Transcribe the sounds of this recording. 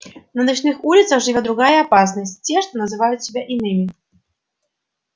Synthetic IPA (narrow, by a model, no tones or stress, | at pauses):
nənɐt͡ɕnɨxulʲɪt̪səxʐɨvʲod̪ɾʊɡajəɐpas̬nəsʲtʲtʲːeʂt̪onəzɨvajʊt̪sʲɪbʲaʔɪnɨmʲɪ